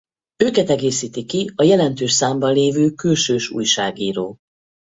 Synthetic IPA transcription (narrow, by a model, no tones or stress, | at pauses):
øːkɛt̪ɛɡeːsiːt̪ikiɒjɛlɛnt̪øːʃsaːmbɒnleːvøːkylʃøːʃṵːjʃaːɡiːɾoː